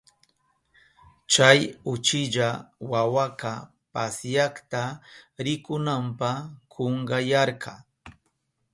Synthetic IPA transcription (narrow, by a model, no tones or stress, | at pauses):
t͡ʃajʊt͡ʃɪʎawawaka | pasjakt̪aɾɪkʊnampɑχkʰoɴɢɑjɑɾkʰɑ